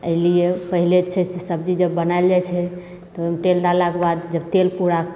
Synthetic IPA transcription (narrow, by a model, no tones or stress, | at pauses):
əiliepəɦilet͡ʃʰɛsesəbd͡ʒid͡ʒəbːənaeld͡ʒat͡ʃʰɛ | tt̪ɔmʈelɖalakebad̪d͡ʒəbt̪elpuɾak